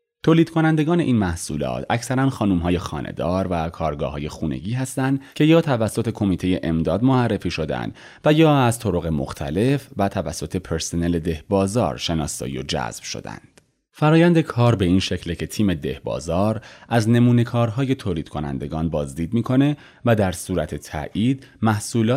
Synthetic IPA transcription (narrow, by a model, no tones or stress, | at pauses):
t̪ʰoːliːd̪̥kʰonænd̪e̞ɡɒːne̞ʔiːnmæhsṵːlɒ̰ːt̪ʰæcsæɾænxɒːnuːmɦɒːje̞xɒ̰ːnʔḛd̪ɒːɾvækʰɒːɾɡɒ̰ːɦɒːje̞xuːne̞̰ɟiːɦæst̪ænd̪cʰe̞jɒːt̪ʰævæsːo̞t̪ʰe̞kʰo̞miːt̪ʰe̞je̞ʔemd̪ɒːd̪moærːe̞fiːʃo̞d̪æ̰nd̪ | væjɒːæzt̪ʰoɾo̞ɣe̞mo̰xt̪ʰæ̰le̞fvæt̪ʰævæsːo̞t̪ʰe̞pʰeɾsone̞le̞d̪e̞hbɒːzɒ̰ːɾʃe̞nɒ̰ːsɒ̰ːḭo̰d͡ʒæ̰zb̥ʃo̰d̪æ̰nd̪̥ | fæɾɒːjænd̪e̞kʰɒːɾbe̞iːnʃe̞cʰlecʰe̞t̪ʰiːme̞d̪e̞hbɒ̰ːzɒːɾʔæzne̞muːne̞kʰɒːɾɦɒːje̞t̪ʰoːliːd̪̥kʰo̞næ̰nd̪e̞ɡɒːnbɒːzd̪iːd̪miːkʰo̞ne̞ | væd̪æɾsuːɾæt̪ʰe̞t̪ʰæ̰ʔiːd̪̥ | mæhsuːlɒː